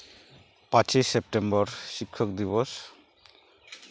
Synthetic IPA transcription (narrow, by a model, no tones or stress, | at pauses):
pãt͡ʃesep̚ʈembɔɾʃikʰːɔkd̪iβɔs